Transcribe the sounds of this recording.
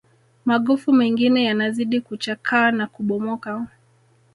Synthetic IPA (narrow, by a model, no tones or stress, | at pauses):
maɠɔfumɛŋɡinɛjanaziɗikut͡ʃakʰaːnakuɓɔmɔka